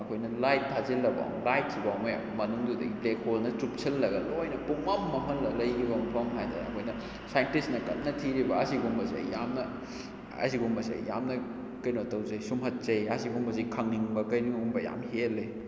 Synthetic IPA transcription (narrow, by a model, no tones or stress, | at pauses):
ɐkʰojnɐlajtːʰazilːɐba̰ŋlajt̚sʰibam̰ | mɐnuŋdudɐ̰ɡiplekʰolnɐtup̚t͡ʃʰɐlːɐɡɐlojnɐpuŋmɐpmɐmɐlːɐlɐjkʰibɐmɐpʰɐmɦajda̰ɐ̰kʰojnɐ | sajntisnɐkɐt̚nɐtʰiɾibɐɐsiɡuŋbɐzɐ̰jjamnɐ | ɐ̰siɡuŋbɐsɐ̰jja̰mnɐ | kɐjnotɐwzejsumɦɐt̚t͡ʃɐjɐsiɡuŋbɐzɐjkʰɐŋniŋbɐkɐjniŋɡumbɐja̰mhelːej